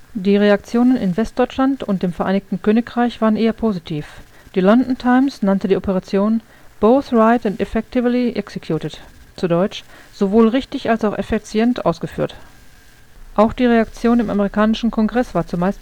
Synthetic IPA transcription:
d̥iːʁeak̚t͡sjoːnənɪ̰nvɛst̚d̥ɔʏt͡ʃlantʊntd̥eːmfɛɐʔaɪnɪçtn̩kʰøːnɪkʁ̥aɪçv̥aːʁənʔeːɐpʰozitʰiːf | d̥iːlɔndn̩tʰaɪmsnantədiːʔɔpəʁat͡sjoːn | b̥oʊθʁaɪtɛntɛfɛk̚tɪvliʔɛksekʰjuːtətt͡sudɔʏt͡ʃz̥ovoːlʁɪçtɪçʔalsaʊxʔɛfit͡sjɛntʔa̰ʊsɡ̥əfy̰ːɐt | ʔaʊxd̥iːʁeak̚t͡sjoːnɪma̰meʁikaːnɪʃn̩kʰɔŋɡʁɛsv̥aːɐt͡sumaɪst

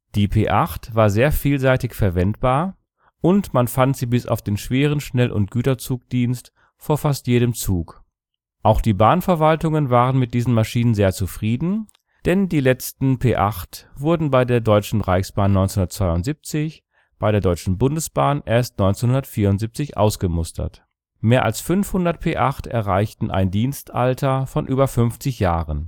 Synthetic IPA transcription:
d̥iːpʰeːʔaχtv̥aːɐzeːɐfiːlzaɪtɪçfɛɐvɛntb̥aːɐ | ʔʊntmanfantz̥iːbɪsa̰ʊfd̥eːnʃv̥eːʁ̞ənʃnɛlʔʊ̰nt̚ɡ̥yːtɐt͡suːk̚d̥iːnst | foːɐfastjeːɾəmt͡suːk | ʔaʊxd̥iːbaːnfɛɐvaltʊŋənvaːʁənmɪt̚d̥iːzn̩maʃiːnənzeːɐt͡sufʁ̥iːdn̩ | d̥ɛndiːlɛt͡stn̩pʰeːʔaχtv̥ʊɐdn̩baɪdeːɐdɔʏt͡ʃn̩ʁaɪçsb̥aːnːɔʏnt͡senhʊndɐtt͡sv̥aɪʊntz̥ip̚t͡sɪç | b̥aɪɾeːɐdɔʏt͡ʃn̩bʊndəsb̥aːnʔeːɐstnɔʏnt͡senhʊndɐtfiːɐʊntzip̚t͡sɪçʔa̰ʊsɡ̥əmʊstʰɐ̰t | meːɐʔa̰lsfʏnfhʊndɐtpʰeːʔaχtʔɛ̰ɐʁaɪçtn̩ʔa̰ɪndiːnstʔa̰ltʰɐfɔnʔyːbɐfʏnft͡sɪçjaːʁən

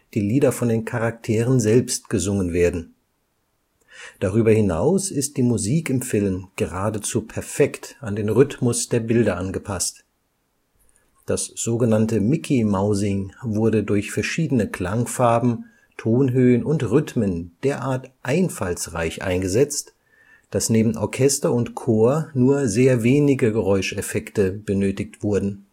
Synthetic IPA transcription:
d̥iːliːdɐfɔndeːnkʰaʁak̚tʰeːʁ̞ənzɛlpstɡ̥əzʊŋənveːɐdn̩ | d̥aʁyːbɐhɪna̰ʊsɪst̚d̥iːmuziːkɪmfɪlmɡ̥əʁaːdət͡suːpʰɛɐfɛktandeːnʁʏtmʊsd̥eːɐbɪldɐʔanɡəpʰast | d̥asz̥oːɡənantəmɪkʰimaʊzɪŋvʊɐdədʊɐçfɛɐʃiːdənəkʰl̥aŋfaɐbm̩ | tʰoːnɦøːənʔʊntʁʏtmənd̥eːɐʔaːɐtʔaɪnfalsʁa̰ɪçʔa̰ɪnɡəzɛt͡st | d̥asneːbm̩ʔɔ̰ɐkʰɛstɐʊntkʰoːɐnuːɐzeːɐveːnɪɡəɡəʁɔʏʃɛfɛktəb̥ənøːtɪk̚tv̥ʊɐdn̩

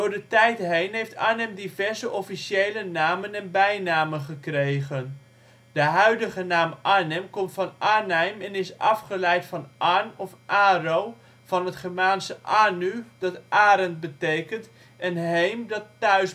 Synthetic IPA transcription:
dʊːɹdətɛjtɦejnɦejftaːnɛmdivɛɹzəʔɔfiʃejlənaːmənɛnbɛjnaːmənχəkrejχən | d̥əɦœɥdəχənaːmʔaːnɛmkɔmtfɑnʔaːnɛjmɛnɪsɑfχəlɛjtfɑnʔanɔfʔaːrow | v̥ɑnɦətχɛɹmaːnsəʔaːnydɑtʔaːɾənt̚bətejkənt | ɛnɦejmdɑtːœɥs

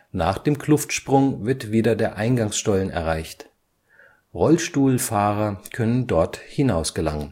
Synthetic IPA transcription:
naːχd̥eːmkʰl̥ʊftʃpʁ̥ʊŋvɪɐtv̥iːdɐdeːɐʔaɪnɡaŋsʃtɔlənɛ̰ɐʁaɪçt | ʁɔlʃtuːlfaːʁɐkʰœnəndɔɐthɪnaʊsɡ̥əla̰ŋən

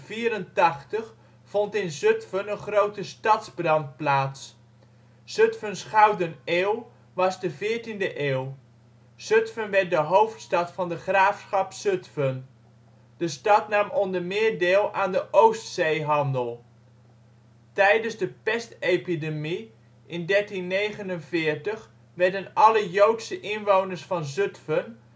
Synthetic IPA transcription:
v̥iːəɾəntɑχtəχ | fɔntɪnzøtfənənχrowtəstɑtzbrɑnt̚plaːts | søtfənsχawdəneːlˠ | ʋɑzdəvɪːəɹtindəʔeːwˠ | søtfənʋɛrt̚dəɦowftstɑtfɑndəχraːfsχɑpsøtfən | d̥əstɑtnamɔndəɹmɪːɹdeːlˠaːndəʔowstsejɦɑndəlˠ | tɛjdənzdəpɛstejpidemi | ʔɪndɛɹtinːejχənənvɪːɹtəχ | ʋɛɹdənɑləjowtsəʔɪnʋownəɹsfɑnzøtfən

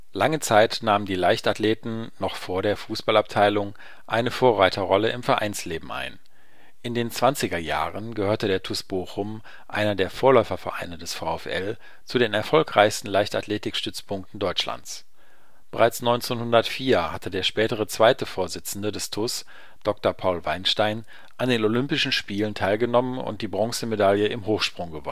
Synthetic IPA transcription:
laŋət͡saɪtnaːməndiːlaɪçtatleːtn̩nɔχfoːɐɾeːɐfuːsb̥alap̚tʰaɪlʊŋ | ʔaɪnəfoːɐʁaɪtʰɐʁɔləʔɪ̰mfɛɐʔa̰ɪnsleːbm̩a̰ɪn | ʔɪndeːnt͡sv̥ant͡sɪɡɐja̰ːʁənɡəhøːɐtədeːɐtʰʊsb̥oːxʊm | ʔa̰ɪnɐdeːɐfoːɐlɔʏfɐfɛɐʔa̰ɪnədɛsfaʊɛfʔɛ̰l | t͡sudeːnɛɐfɔlkʁ̥aɪçstn̩laɪçta̰tʰleːtɪkʃtʏt͡spʰʊŋk̚tn̩dɔʏt͡ʃla̰nt͡s | b̥əʁaɪt͡snɔʏnt͡senhʊndɐtfiːɐhatʰədeːɐʃpɛːtəʁət͡sv̥aɪtəfoːɐzɪt͡sn̩dədɛstʰʊs | d̥ɔk̚tɐpʰaʊlvaɪnʃtaɪn | ʔandeːnolʏmpɪʃn̩ʃpiːləntʰaɪlɡənɔmənʊ̰nt̚d̥iːbʁɔŋsəmedaljəɪmɦoːxʃpʁ̥ʊŋɡəvɔ̰

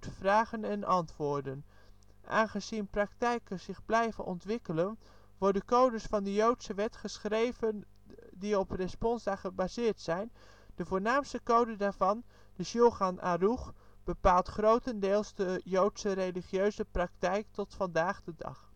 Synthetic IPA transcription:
tfraːχənɛnʔɑntʋʊːɹdən | ʔa̰ːnχəzinprɑktɛjkəz̥ɪχblɛjvənɔ̰ntʋɪkələn | ʋɔɹdəkowdəsfɑndəjowtsəʋɛtχəsχrejvən | diɔprɛspɔnsdaχəbazɪːɹtsɛjn | dəvʊːɹnaːmstəkowdədaːɹvɑn | dəʃoχanʔa̰ruχ | b̥əpaːlˠtχrowtəndɪːlˠsdəjowtsərejliχjøɥzəprɑktɛjk̚tɔtfɑndaːχdədɑ̰χ

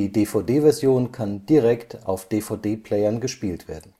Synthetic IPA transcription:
iːdeːfaʊdeːvɛɐzjoːnkʰand̥iʁɛkta̰ʊfd̥eːfaʊdeːpʰl̥ɛɪɐnɡəʃpiːltv̥ḛːɐdn̩

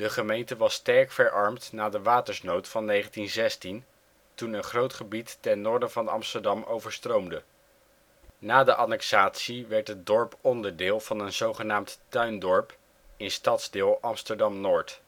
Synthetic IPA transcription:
d̥əχəmejntəʋɑstɛɹkfəɹʔɑɹmtnaːdəʋaːtəɹsnowtfɑnːejχəntinzɛstin | tunənχrowtχəbitːɛnːʊːɹdənvɑndəɑ̰mstəɹdɑmowvəɹstrowmdə | naːdəʔɑnɛksaːtsiʋɛɹtəd̚dɔɹpɔndəɹdɪːlˠv̥ɑnənzowχənaːmttœɥndɔɹp | ɪnstɑtzdɪːlˠʔɑmstəɹdɑmnʊːɹt

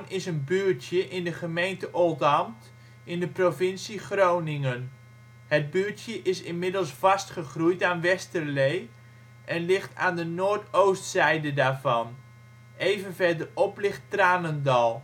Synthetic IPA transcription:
nɪsənbyːɹtjəʔɪndəχəmejntəʔɔlˠtɑmt | ɪndəprovɪnsiχrownɪŋən | ɦəd̚byːɹtjəʔɪsɪnmɪdəlˠsfɑstχəχrujtaːnʋɛstərlej | ʔɛnlɪχta̰ːndənoːɹtowstsɛjdədaːɹvɑn | ejvənvɛɹdərɔplɪχtraːnəndɑlˠ

